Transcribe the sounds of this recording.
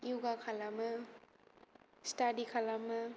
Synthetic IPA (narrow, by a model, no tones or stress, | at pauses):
iuɡakʰalamɯ | stadikʰalamɯ